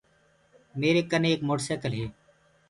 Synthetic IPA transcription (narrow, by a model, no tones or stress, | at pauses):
meːɾeːkəneːeːkmoːʈseːkəlɦeː